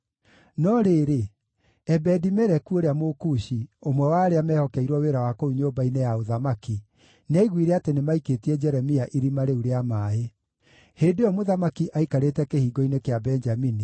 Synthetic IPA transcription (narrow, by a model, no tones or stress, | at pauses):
nɔɾeːɾe | ɛbɛdimɛɾɛkuoɾeamokuʃiomwɛwaɾeamɛːhɔkɛiɾwɔweɾawakouɲobainejaoðamaki | nɛiɣwiɾɛatenemaiketiɛd͡ʒɛɾɛmiaʔiɾimaɾeuɾeamae | heːndejɔmoðamakiʔaikaɾetɛkehiːɡɔinekeabɛɲd͡ʒamini